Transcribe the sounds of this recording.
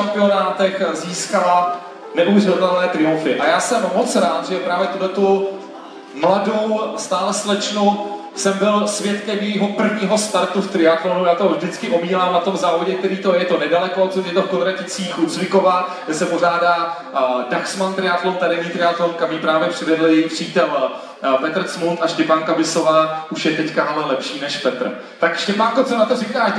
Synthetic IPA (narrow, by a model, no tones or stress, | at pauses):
ampɪo̞naːt̪ɛxziːskala | nɛʔuvrɪt̪ɛlnɛːt̪ɾɪuɱfɪʔajaːsɛmːot͡sɾaːt̪ʒɛpɾaːvjɛt̪uɦlɛt̪u | mlado̞wst̪aːlɛslɛt͡ʃnu | sɛmbɪlsvjɛt̪kɛmjɛjɦopr̩vɲiːɦo̞st̪aɾt̪uft̪ɾɪat̪lonujaːt̪ovʒdɪt͡skɪʔobiːlaːmnat̪o̞mzaːvoɟɛk̚t̪ɛɾiːt̪ojɛt̪o̞nɛdalɛkoojɛt̪ofkod̪ɾacɪt͡siːxut͡svɪkovaːɡdɛsɛporaːdaː | daxsmant̪ɾɪat̪lont̪aɾɛɲiːt̪ɾɪat̪lonkamiːpɾaːvjɛpr̥ɪvɛdl̩jɛjipr̝̥iːt̪ɛl | pɛt̪r̩ɾ̩smunt̪aʃcɛpaːŋkabɪso̞vaːʔuʃjɛt̪ɛckaɦalɛlɛpʃiːnɛʃpɛt̪r̩ | t̪akʃcɛpaːŋkot͡sonat̪orɪkaː